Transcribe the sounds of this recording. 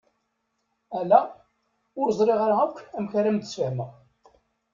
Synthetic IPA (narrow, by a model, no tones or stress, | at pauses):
ælːæ | ʊɾzˤɾˤeʁaɾaækʷːæmçaɾæmt̪ːə̥sfəhməʁ